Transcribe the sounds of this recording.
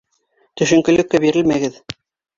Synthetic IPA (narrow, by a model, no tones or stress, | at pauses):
t̪ɵ̆ʃɵ̆ŋkɘ̆lɘ̆kːæbiɾɘlmæɡɘð